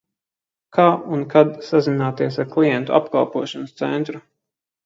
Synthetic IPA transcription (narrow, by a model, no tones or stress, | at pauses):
kʰaːunkad̪sazinaːt̪iɛsaɾklˠijɛnt̪uʔa̰pka̰lˠpuɔʃɔnst̪sɛ̰nt̪ɾu